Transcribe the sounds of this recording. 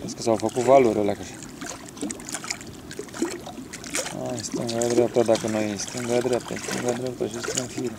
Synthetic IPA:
eskəsawfəkut̪valuɾʲolakəʃi | a̰st̪ɨŋɡaad̪ɾap̚t̪at̪d̪akənojist̪ɨŋɡad̪ɾʲap̚t̪a̰st̪ɨ̰ŋɡad̪ɾapt̪aʃest̪unfiɾ

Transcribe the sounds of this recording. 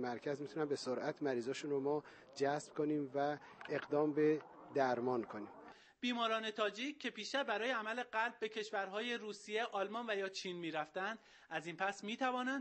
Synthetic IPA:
mæɾcʰæzmit̪ʰunæmbe̞soɾʔæt̪ʰmæɾiːzɒːʃunɾomɒː | d͡ʒæsb̥̚kʰoniːmvæeɣd̪ɒːmbed̪æɾmɒːnkʰoniːm | b̥iːmɒːɾɒːne̞t̪ʰɒːd͡ʒic̚cʰːe̞piːʃt̪æbbæɾɒːjeæmæle̞ɢælb̚ːe̞cʰe̞ʃvæɾɦɒːje̞ɾuːsije̞ʔɒːlmɒːnvæjɒːt͡ʃʰiːnmiːɾæft̪ænd̪̥ | æziːnpʰæsmiːt̪ʰævɒːnænd̪

